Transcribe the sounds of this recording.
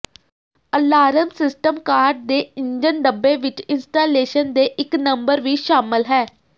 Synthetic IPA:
əlːaːɾəmsɪsʈəmkaːɾɖ̚d̪eːɪɲd͡ʒənɖəbːeːʋɪt͡ʃɪnsʈaːleːʃənd̪eːʔɪknəmbəɾʋiːʃaːmɪlɦɛː

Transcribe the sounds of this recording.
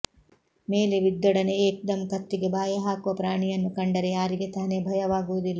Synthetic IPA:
meːleʋid̪ːɐɽɐneeːk̚d̪ɐmkɐt̪ːiɡebaːjɐɦaːkuʋɐpɾaːɳijɐnːukɐɳɖɐɾejaːɾiɡet̪ɐnebʱɐjɐʋaːɡuɐd̪ilːɐ

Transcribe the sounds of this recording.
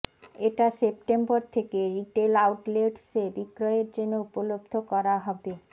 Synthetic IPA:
eʈasepʈemboɾt̪ʰekeɾiʈelawʈleɖsebikɾɔeɾd͡ʑenːoupolobd̪ʱokɔɾaɦɔbe

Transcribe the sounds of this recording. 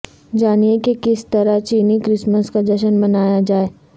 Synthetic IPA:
d͡ʒaːniekekɪst̪ɐɾat͡ʃiːnikɾɪsməskad̪ɐʃənbɐnaːjad͡ʒaːeː

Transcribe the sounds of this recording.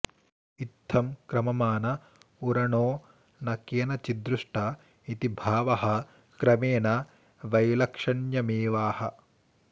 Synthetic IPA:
it̪ʰːɐmkɾɐmɐmaːnɐ | uɾɐɳoː | nɐkjɐnɐt͡ʃid̪ɾuʂʈɐ | it̪ibʱaːʋɐɦɐ̆ | kɾɐmeːnɐ | ʋɐjlɐkʂɐɳjɐmeːʋaːhɐ

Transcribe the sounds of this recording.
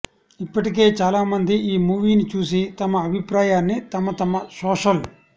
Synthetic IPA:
ipːɐʈik̬e̞ːt͡ʃaːlaːmɐnd̪iiːmuːʋiːnit͡ʃuːsit̪ɐmɐɐbʱipɾaːjaːnːit̪ɐmːɐt̪ɐmːɐsoːʃɐl

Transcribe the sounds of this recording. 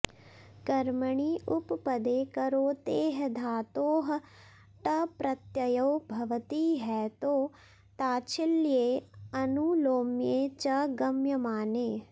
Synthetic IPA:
kɐɾməɳiːʔʊppɐd̪eːkɐɾoːt̪eːɦd̪ʱaːt̪oːɦ | ʈɐpɾɐt̪jɐjɐwbʱɐʋət̪iːɦɛːt̪oː | t̪aːt͡ʃʰɪlieːɐnuloːmjeːt͡ʃɐɡɐmjɐmaːneː

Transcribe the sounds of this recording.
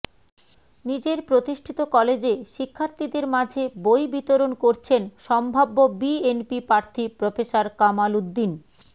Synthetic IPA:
nid͡ʑeɾpɾot̪iʃʈʰit̪okɔled͡ʑeʃikʰːaɾt̪ʰid̪eɾmad͡ʑʱebojbit̪oɾonkoɾt͡ɕʰenʃɔmbʱabːobienpipɾaɾt̪ʰipɾofesaɾkamalud̪ːin

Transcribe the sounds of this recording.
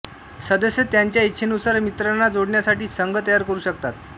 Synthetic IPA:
səd̪əsət̪jaɲt͡ɕjaitt͡ɕʰenusaɾmit̪ɾanːad͡zoɽɳjasaʈiːsəŋɡət̪əjaɾkəɾuːɕək̚t̪at̪̚

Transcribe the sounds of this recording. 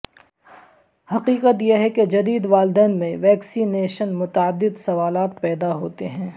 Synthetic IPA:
hɐqiːqət̪jeɦɛked͡ʒɐd̪iːd̪ʋaːld̪ɛːnmẽʋɛːksiːneːʃənmʊt̪aəd̪ːɪd̪sɐʋaːlaːt̪̚pɛːd̪aɦoːt̪eɦɛ̃ː

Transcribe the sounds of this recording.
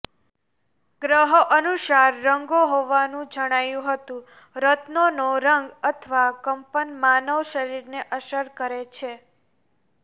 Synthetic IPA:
ɡɾəɦoʔənuʃaɾːəŋɡoɦoʋanũd͡ʒəɽ̃ajũɦət̪ũ | ɾət̪nonoɾəŋɡət̪ʰʋakəmpənmanəʋʃəɾiɾneʔəʃəɾkəɾet͡ʃʰe

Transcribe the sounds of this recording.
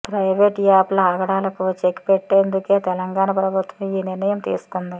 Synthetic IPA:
pɾɐjʋeːʈɡaːplɐaːɡɐɽaːlɐkut͡ʃekpeʈːeːnd̪uke̞ːt̪ɛlɐŋɡaːɳɐpɾɐbʱut̪ʋɐmiːniɾnɐjɐmt̪ḭːsu̥kund̪i

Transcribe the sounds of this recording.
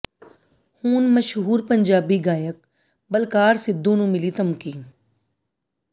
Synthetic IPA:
huːnmɐʃɦuːɾpɐɲd͡ʒaːbiɡaːjək̚ | bɐlkaːɾsɪd̪ːuːnũmɪlit̪ɐmkiːn

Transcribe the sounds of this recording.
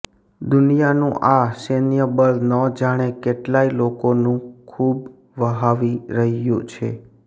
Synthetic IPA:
d̪ʊnijanũʔasenjəbəlnɔ̃d͡ʒaɽ̃ekeʈlailokonũkʰub | ʋəɦaʋiɾəɦjṵ̃t͡ʃʰe

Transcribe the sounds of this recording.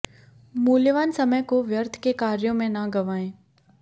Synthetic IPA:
muːljəʋaːnsɐməjkoʋjəɾt̪ʰkekaːɾjõmẽnɐɡɐʋaːẽː

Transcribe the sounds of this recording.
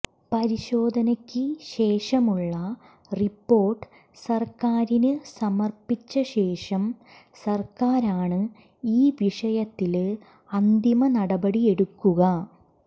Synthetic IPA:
pɐɾiɕo̞ːd̪ʱɐnɐkʲːɨɕe̞ːʂɐmuɭːɐ | ripːo̞ːrʈɨ̥ | sɐrkaːɾinɨsɐmɐrpːit͡ɕːɐɕe̞ːʂɐm | sɐrkaːɾaːɳɨ | iːʋiʂɐjɐt̪ːil | ɐnd̪imɐnɐɽɐbɐɽie̞ɽukːuɣɐ

